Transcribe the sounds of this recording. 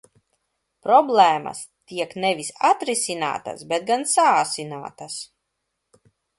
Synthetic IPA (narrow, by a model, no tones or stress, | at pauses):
pɾɔblˠɛːma̰st̪iɛknɛvisat̪ɾisʲina̰ːt̪a̰sbet̪̚ɡansaːsinaːt̪as